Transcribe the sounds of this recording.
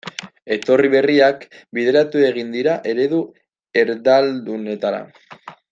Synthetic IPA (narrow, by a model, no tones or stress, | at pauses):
e̞t̪o̞riβe̞riakbiðe̞ɾat̪ue̞ɣ̞ind̪iɾaʔe̞ɾe̞ðu | e̞ɾðald̪une̞t̪aɾa̰